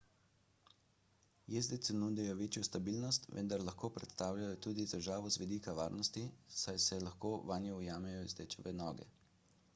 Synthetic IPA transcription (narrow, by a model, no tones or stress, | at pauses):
jezd̪et̪sɛnuːd̪ɛjɔʋeːt͡ʃjɔst̪abiːlnɔst̪ʋə̰nd̪aɾlaxkoːpɾɛt̪st̪aːwlʲajɔt̪uːd̪it̪ɛʒaːʋɔzʋɛd̪ikaʋa̰ːɾnɔst̪isajsɛlaxkoːʋanjɔujaːmɛjɔizd̪ɛt͡ʃɔʋɛnɔːɡɛ̰